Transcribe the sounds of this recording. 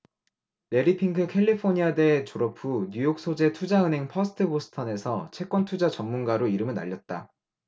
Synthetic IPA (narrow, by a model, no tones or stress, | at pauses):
ne̞ɾipʰiŋkʰɯkʰe̞ʎːipʰoɲiade̞t͡ɕoɾʌpʰuɲujok̚s͈ʰod͡ʑe̞tʰud͡ʑaɯnɦe̞ŋpʰʌsʰɯ̥tʰɯbosʰɯ̥tʰʌne̞sʰʌ̰t͡ɕʰe̞k͈wʌntʰud͡ʑat͡ɕʌŋmunɡaɾoiɾɯmɯɭna̰ʎːʌt̚t͈a̰